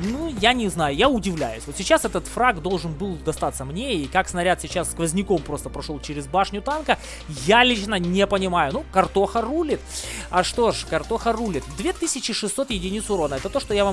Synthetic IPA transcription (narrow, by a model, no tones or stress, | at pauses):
nujanʲɪznajʊjaʊdʲɪvlʲæ̰jʊ̰sʲvot̪sʲɪt͡ɕasɛt̪ət̪fɾaɡd̪o̞lˠʐɨnbɨlˠd̪ɐst̪at̪sːəmnʲeikaksnɐɾʲat̪sʲɪt͡ɕasːkvəzʲnʲɪko̞mpɾo̞st̪əpɾɐʂo̞lˠt͡ɕɪɾʲɪzbaʂnʲʊt̪ankə | jalʲit͡ɕnənʲepənʲɪmajʊnukɐrt̪o̞xərulʲɪt̪ɐʂt̪o̞ʂkɐrt̪o̞xərulʲɪt̪d̪vʲet̪ɨsʲɪt͡ɕɪʂɨsːo̞t̪jɪdʲɪnʲit̪sʊɾo̞nəɛt̪ət̪oʂt̪ojavam